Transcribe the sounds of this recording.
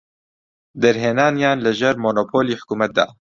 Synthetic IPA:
d̪ɛɾɦeːnaːnjaːnləʒɛɾmoːnoːpʰoːliːħʊ̥kuːmɛt̪̚d̪a̰ː

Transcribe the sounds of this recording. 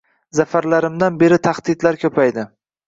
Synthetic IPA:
zafaɾlaɾɪmd̪anbe̞ɾɪt̪ʰaχd̪̥ɪd̪laɾkʲʰɵpʰajd̪ɪ

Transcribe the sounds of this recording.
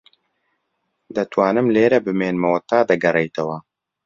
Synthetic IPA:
d̪ɐt̪ʰwaːnɨmleːɾɐbɨmeːnmɐwɐt̪aːd̪ɐɡɐrejt̪ɐwɐ

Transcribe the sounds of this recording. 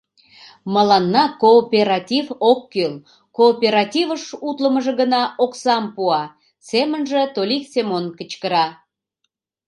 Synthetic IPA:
məlɑnːɑkoːpʲeɾɑtʲivokːøl | koːpʲeɾɑtʲivəʃut̪ləməʒə̆ɣənɑʔoksɑmpuɑ | semənʒet̪olʲiksemonkə̆t͡ɕkəɾɑ

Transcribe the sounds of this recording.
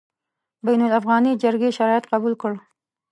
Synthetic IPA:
bajnʊlafɣɑnid͡ʒaɾɡeʃaɾɑjɪt̪qabulkəɽ

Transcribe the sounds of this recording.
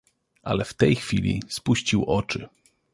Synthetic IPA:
ʔa̰lɛft̪ɛjxfʲilʲḭspuɕt͡ɕiwʔɔt͡ʂɘ

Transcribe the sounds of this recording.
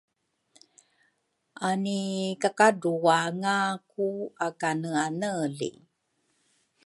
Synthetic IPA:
ʔanikakaduaŋakuakanəanəlḭ

